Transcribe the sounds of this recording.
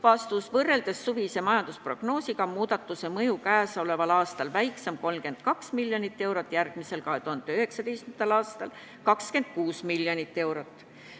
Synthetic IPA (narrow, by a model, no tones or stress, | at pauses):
vɑst̪usvɤrːe̞ld̪̥esːuvisemɑjɑnd̪̥uspro̞ɡ̥no̞ːsiɡɑmuːd̪̥ɑt̪ːˑuse̞mɤjukæːsɑo̞le̞vɑlɑːst̪ɑlvæjksemko̞lmke̞nd̪̥̚kɑksmilʲjonit̪ːe̞wɾot̪ːˑjærɡ̥mise̞lkɑɦe̞t̪uhɑnd̪̥eøhe̞ksɑt̪ejst̪mt̪ɑlɑːst̪ɑl | kɑkske̞nd̪̥̚kuːsmiljonit̪ːe̞wɾot̪ːˑ